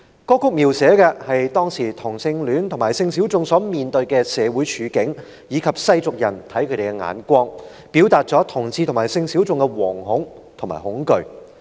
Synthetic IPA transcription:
kɔː˥kʰʊ˥k̚miː˨˩wsɛː˨˥kɛː˧hɐ˨jt̪ɔː˥ŋsiː˨˩t̪ʰʊ˨˩ŋsɪ˧ŋlyː˨˥nt̪ʰʊ˨˩ŋmaː˨˩jsɪ˧ŋsiː˨˥wt͡sʊ˧ŋsɔː˨˥miː˨nt̪ɵ˧ɥkɛː˧sɛː˨˧wu˨˥jt͡ʃʰyː˨˧kɪ˨˥ŋ | jiː˨˧kʰɐ˨p̚sɐ˥jt͡sʊ˨k̚jɐ˨˩nt̪ʰɐ˨˥jkʰɵ˧˥t̪e˨˩kɛ˧ŋa̰ː˨˧nkʷɔː˥ŋ | pi˨˥wt̪aː˨˧t̚t͡sɔː˨˥t̪ʰʊ˨˩ŋt͡siː˧t̪ʰmaː˨˩jsɪ˧ŋsi˨˥wt͡sʊ˧ŋkɛ˧wɔː˨˩ŋɦʊ˨˥ŋ | t̪ʰʊ˨˩ŋma̰ː˨˩jhʊ˨˥ŋkɵ˨˧ɥ

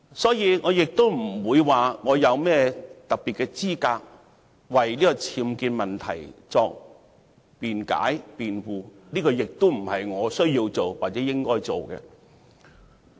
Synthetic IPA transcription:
sɔː˨˥jiː˨˧ŋɔː˨˧jɪ˨k̚t̪o˥wm̩˨˩wuː˨˧jwaː˨˩ŋɔː˨˧jɐ˨˧wmɛː˥t̪ɐ˨k̚pi˨t̚kɛ˧t͡siː˥kaː˧k̚ | wɐ˨jniː˥kɔ˧t͡sʰiː˨˧˥mkiː˧t̚mɐ˨nt̪ʰɐ̰˨˩jt͡sɔː˧k̚ | piː˨nka̰ː˨˥jpiː˨nwuː˨˩niː˥kɔː˧jɪ˨k̚t̪o˥m̩˨˩hɐ˨jŋɔː˨˧sɵ˥ɥjiː˧wt͡so˨wwaː˨t̚t͡sɛː˨˧˥jɪ˥ŋkɔː˥jt͡so˨˩wkɛ̰˧

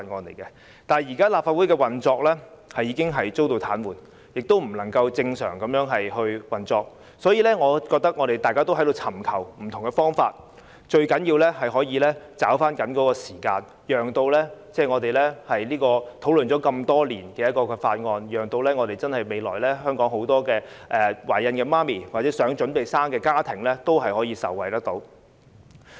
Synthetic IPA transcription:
a˧ŋɔː˧nle˨˩jkɛ˧ | t̪aː˨jiː˨˩kaː˥laː˨p̚fa˧t̚wu˨˥jkɛː˧wɐ˨nt͡sɔː˧k̚lɛː˥hɐ˨jːiː˨˧kɪ˥ŋɦɐ˨jt͡so˥wt̪o˧wt̪ʰaː˨˥nwuː˨˩n | jɪ˨k̚t̪o˥wm̩˨˩lɐ˨˩ŋkɐ˧wt͡sɪ˧ŋsœ̰ː˨˩ŋkɐ˨˥mjœː˨˥ŋɦɐ˨jhɵ˧ɥwɐ˨nt͡sɔː˧k̚ | sɔː˨˥jiː˧lɛː˥ŋɔː˨˧kɔ˧k̚t̪ɐ˥k̚ŋɔː˨˧ɾe˨jt̪aː˨jkaː˥t̪o˥wɦɐ˥jdo˨˧wt͡sʰɐ˨˩mkʰɐ˨˩wm̩˨˩t̪ʰʊ˨˩ŋkɛ˧fɔː˥ŋfaː˧t̚ | t͡ʃɵ˧ɥkɐ˨˥njiː˧wlɛː˥hɐ˨jɦɔː˨˥jiː˨˧lɛː˥t͡saː˨˥wfaː˥nkɐ˨˥nkɔː˨˥kɔː˧siː˨˩kaː˧n | jœː˨ŋt̪o˧wlɛː˥t͡sɛː˥˩ŋɔː˨˧t̪e˨jlɛː˥hɐ˨jliː˥kɔː˧t̪ʰo˨˥wlɵ˨nt͡ʃɔː˨˥kɐ˧mt̪ɔː˥liː˨˩nkɛː˧jɐ˥t̚kːɔː˧kɛ˧faː˧t̚ŋɔː˧njœː˨˩ŋt̪o˧wlɛː˥ŋɔː˨˧t̪e˨jt͡sɐ˥nhɐ˨jme˨˧jlɔ̰ː˨˩jlɛː˥ɦœː˥ŋkɔː˨˥ŋho˨˥wt̪ɔː˥kɛː˧ʔɛː˨˩waː˨˩jɐ˧nkɛː˧maː˥miː˨˩wa˨tt͡sɛː˨˥sœː˨˥ŋt͡ʃɵ˨˥npe˨jsaː˥ŋkɛː˧kaː˥t̪ʰɪ˨˩ŋlɛː˥t̪o˥wɦɐ˨jhɔː˨˥jiː˨˧sɐ̰˨˩wɐ˨˩jt̪ɐ˥k̚t̪o˨˥w

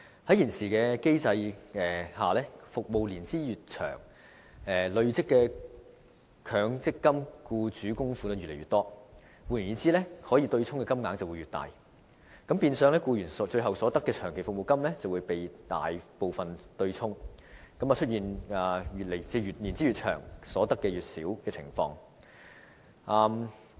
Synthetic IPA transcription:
hɐ˨˥jiː˨˩nsiː˨˩kɛː˧ke˥jt͡sɐ˧jɛː˨˩haː˨lɛː˥fʊ˨k̚mo˨wliː˨˩nt͡siː˥jyː˨t̚t͡ʃʰœ̰ː˨˩ŋ | ɛː˨lɵ˧ɥt͡sɪ˥kːɛː˧ | kʰœː˨˧ŋt͡sɪ˥kːɐ˥mkuː˧t͡syː˨˥kʊ˥ŋfuː˧˥lɛ˥jyː˨le˨˩ɥyː˨t̪ɔː˥ | wuː˨˩li˨˩njiː˨˥t͡siː˥lɛː˥hɔː˨˥jiː˧t̪ɵ˧ɥt͡sʰʊ˥ŋkɛː˧kɐ˥mŋaː˨˥ŋt͡sɐ˨wu˨˧jɥyː˨˩t̪a̰ː˨˩j | kɐ˧˥mpiː˧nsœː˨˧ŋlɛː˥kuː˧jyː˨˩nst͡ʃɵ˧ɥɦɐ˨wsɔː˨˥t̪ɐ˥kːɛː˧t͡ʃʰœː˨˩ŋkʰe˨˩fʊ˨k̚mo˨wkɐ˥mlɛː˥t͡sɐ˨wuː˨˧jpe˨jt̪a̰ː˨jpo˨˧wfɐ˨nt̪ɵ˧ɥt͡sʰʊ˥ŋ | kɐ˨˥maː˨t͡ʃʰt̚jiː˨˩nɐː˨˩jyː˨t̚le˨˩jt͡sɛː˥jyː˨t̚li˨˩nt͡siː˥ɥyː˨t̚t͡ʃʰœ̰ː˨˩ŋsɔː˨˥t̪ɐ˥kːɛː˧jyː˨˩t̚siː˨˥wkɛː˧t͡sʰɪ̰˨˩ŋfɔ̰ː˧ŋ | ʔaː˧m

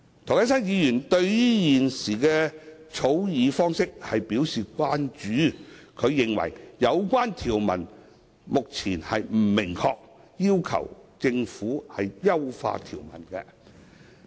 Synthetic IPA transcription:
t̪ʰo˨˩jɐ˥sɐ˥njiː˨˧jyː˨˩nt̪ɵ˧ɥiː˥jiː˨˩nsiː˨˩kɛː˧t͡sʰo˨˥wjiː˨˧fɔː˥ŋsɪ˥k̚hɐ˨jpiː˨˥wsiː˨kʷwaː˥nt͡ʃyː˨˥kʰɵ˨˧ɥjɪ˨ŋwɐ̰˨˩jjɐ˨˧wkʷaː˥nt̪ʰiː˨˩wmɐ̰˨˩n | mʊ˨k̚t͡sʰiː˨˩nhɐ˨jm̩˨˩mɪ˨˩ŋkʰɔː˧k̚ | jiː˥wkʰɐ̰˨˩wt͡sɪ˧ŋfuː˨˥hɐ˨jjɐ˥wfa̰ː˧t̪ʰḭː˨˩wmɐ̰˨˩nkɛ̰˧

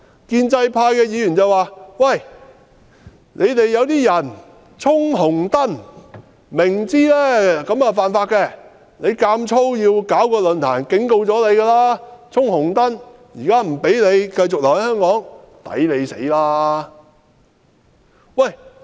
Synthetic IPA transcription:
kiː˧nt͡sɐ˧jpʰaː˧jkɛː˧jiː˨˧jyː˨˩nt͡sɐ˨˩waː˨˧wɐ˨˩j | nʔe˨˧jt̪e˨jːɐ˨˧wt̪iː˥jɐ˨˩n | t͡sʰʊ˥ŋɦʊ˨˩ŋt̪ɐ˥n | mɪ˨˩ŋt͡siː˥lɛː˥kɐ˨˥ma˨˧faː˨nfaː˧t̚kɛː˧ | ne˨˧jkaː˧mt͡sʰo˥wjiː˧wkaː˨˥wkɔː˧lɵ˨˧nt̪ʰaː˨˩nkɪ˨˥ŋko˧wt͡sɔː˨˥le˨˧jɡaː˧laː˥t͡sʰʊ˥ŋhʊ˨˩ŋt̪ɐ˥n | jiː˨˩kaː˥m̩˨˩pe˨˥jnle˨˧jkɐ˧jt͡sʊ˨k̚lɐ˨˩ŋhɐ˨˥jhœː˥ŋkɔː˨˥ŋ | t̪ɐ̰˨˥jle˨˧jsḛ˨˥jlaː˥ | wɐ˥˨˩j

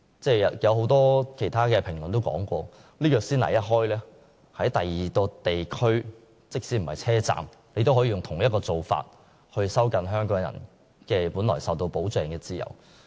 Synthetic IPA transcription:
t͡sɛː˥jɐ˧jɐ˨˧whɦo˨˥wt̪ɔː˥kʰe˨˩jt̪ʰaː˥kɛː˧pʰɪ˨˩ŋlnt̪o˥wkɔ̰ː˨˥ŋkʷɔː˧ | liː˥jœː˨˧k̚siː˥nlɐ̰˨˩jɐ˦˥t̚ɦɔː˥jlɛː˥ | hɐ˨˥jt̪ɐ˨jːiː˨˩kɔː˧t̪e˨jkʰɵ˥ɥ | t͡sɪ˥k̚siː˨˥m̩˨˩hɐ̰˨jt͡sʰɛː˥t͡sa̰ː˨m | ne˨˧jt̪o˥wɦɔː˨˧˥jiː˨˧jʊ˨ŋt̪ʰʊ˨˩ŋjɐ˥t̚kɔː˧t͡so˨wfa̰ː˧t̚ | hɵ˧ɥsɐ˥wkɐ˨nɦœː˥ŋkɔː˨˥ŋjɐ̰˨˩n | kɛː˧puː˨˥nlɔː˨˩jsɐ˨wt̪o˧wpo˨˥wt͡sɛː˧ŋkɛː˧t͡siː˥jɐ̰˨˩w

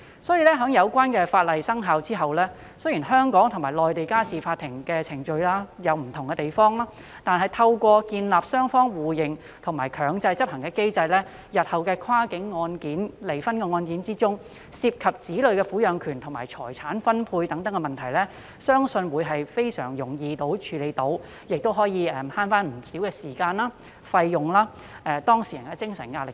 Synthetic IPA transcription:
sɔː˨˥jiː˨˧lɛː˥ɦœː˨˥ŋjɐ˨˧wkʷaː˥nkɛː˧faː˧t̚lɐ˨jsɐ˥ŋɦaː˧wt͡siː˥ɦɐ˨wlɛː˥ | sɵ˥jiː˨˩nɦœː˥ŋkɔː˨˥ŋt̪ʰʊ˨˩ŋmaː˨˩lɔː˨jt̪e˨jkaː˥siː˨faː˧t̪ʰːɪ˨˩ŋkɛː˧t͡sʰɪ˨˩ŋt͡ʃɵ˧ɥlaː˥jɐ˨˧wm̩˨˩t̪ʰʊ˨˩ŋkɛ˧t̪e˨jfɔː˥ŋlaː˥ | t̪aː˨˧nɦɐ˨jt̪ʰɐ˧wkʷɔː˧kiː˧nlaː˨p̚sœː˥ŋfɔː˥ŋwuː˨˩jɪ˨ŋ | t̪ʰʊ˨˩ŋma̰ː˨˩jkʰœː˨˧ŋt͡sɐ˧jt͡sɐ˥p̚hɐ˨˩ŋkɛː˧ke˥jt͡sɐ˧jlɛː˥ | jɐ˨t̚hɐ˨wkɛː˧kʰwaː˥kɪ˨˥ŋːɔː˧nkiː˨˥nle˨˩jfɐ˥nkɛː˧ŋɔː˧nkiː˨˥nt͡siː˥t͡sʊ˥ŋ | siː˧p̚kʰɐ˨p̚t͡siː˨˥lɵ˨ɥkɛː˧fuː˨˥jœː˨˧ŋkʰyː˨˩nt̪ʰʊ˨˩ŋma̰ː˨˩jt͡sʰɔ̰ː˨˩jt͡sʰaː˨˥nfɐ˥npʰuː˧jt̪ɐ˨˥ŋt̪ɐ˨˥ŋkɛ˧mɐ˨nt̪ʰɐ˨˩jlɛ˥ | sœː˥ŋsɵ˧nwuː˨˧jɦɐ˨jfe˥jsœ̰ː˨˩ŋjʊ˨˩ŋjiː˧t̪o˨˥wt͡ʃʰyː˨˧le˨˧jt̪o˨˥w | jɪ˨k̚t̪o˥wɦɔː˨˥jiː˨˧ɛ˨˩mhaː˥nfaː˥nm̩˨˩siː˨˥wkɛː˧siː˨˩kaː˧naː˥ | fɐ˧jːʊ˨ŋlaː˥ | ʔɛː˨˧t̪ɔː˥ŋsiː˨˩jɐ˨˩kɛ˧t͡sɪ˥ŋsɐ˨˩nŋaː˧lɪ̰˨k

